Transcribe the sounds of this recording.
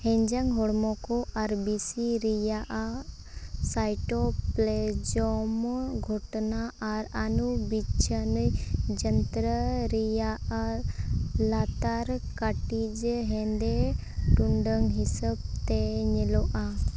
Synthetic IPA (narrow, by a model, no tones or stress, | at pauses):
hɛ̃ɲd͡ʒaŋɦɔɽmɔkɔʔaɾbisiɾijaʔa | sajʈɔpled͡ʒɔmɡʱɔʈnaaɾanubit͡ʃʰənəjd͡ʒənt̪ɾəɾija | lat̪aɾkaʈid͡ʒɦɛ̃nd̪e | ʈuɳɖəŋɦisəb̚t̪eɲɛlɔʔa